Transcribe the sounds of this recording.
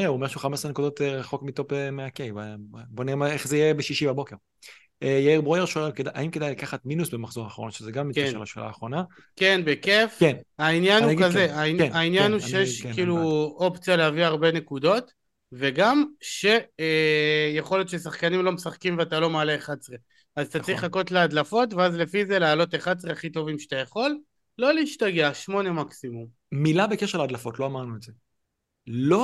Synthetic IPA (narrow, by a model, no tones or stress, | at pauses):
euomeʃuχamesʁenekud̪o̞teʁaχo̞kmito̞pemeakejvaboniemaeχzeijeebeʃiʃibabo̞keʁ | ejbʁojeʁʃulkedaʔa̰imkedajlakaχatminusbemaχzo̞ʁaːχaʁo̰nʃezeɡamːikɛʃela̰ʃḛlʔa̰ːχʁo̞na | ke̞nbekefkenainjanuɡkazeaiainjanuʃejeʃkkiːluo̞pt͡sjaleɦaviaʁbe̞ne̞kud̪o̞t | ve̞ɡamʃe̞ | jeχo̞ljot̪ʃesaχkanimlo̞mesaχkimveatalo̞maːleeχad̪sʁe | azt̪at͡sʁiχlako̞t̪lead̪lafo̞tveazle̞fize̞lealo̞t̪eχad̪̚sʁeaχit̪o̞vimʃe̥t̪ajaχo̞lː | o̞leiʃtaɡeaʃmo̞ne̞maksimum | milabekeʃelad̪lafo̞tlo̞amaʁnuetze | lo